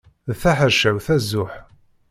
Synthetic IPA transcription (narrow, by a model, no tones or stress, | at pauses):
ðθaħəʃæwθæzːʊħ